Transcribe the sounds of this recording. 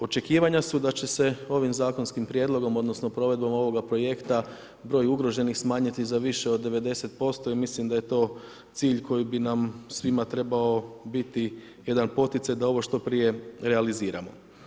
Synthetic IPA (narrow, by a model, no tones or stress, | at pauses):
o̞t͡ʃe̞kiːʋaɲasud̪at͡ɕe̞se̞o̞ʋimzaːko̞nskimpɾje̞d̪lˠo̞ɡo̞mod̪no̞snopɾo̞ʋe̞d̪bo̞mo̞ʋo̞ɡapɾo̞je̞kt̪a | bɾo̞ːjuɡɾo̞ʒe̞nixsmaːɲit̪izaʋiʃeo̞d̪ːe̞ʋe̞d̪e̞se̞t̪̚po̞st̪o̞imislimd̪aje̞t̪o̞ː | t̪siːʎkʰo̞jibinamsʋimat̪ɾe̞bao̞bit̪i | je̞d̪anpo̞t̪it̪sajd̪ao̞ʋo̞ʃt̪o̞pɾije̞ɾealiziːɾa̰mo̞̰